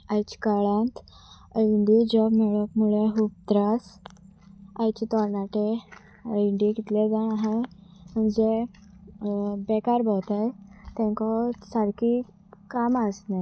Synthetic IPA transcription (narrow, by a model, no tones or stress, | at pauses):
ajt͡ɕi̥kaɭãnt̪ | əiɳɖid͡ʑɔbmɛɭəkmuɭeɦuːp̚t̪ɾas | ajt͡ɕit̪ɔɾnaʈe | əiɳɖikit̪led͡zaɳaɦem̤əɳd͡ze | bekaɾbɔwt̪ajt̪ɛ̃ŋkɔsaɾki | kamasne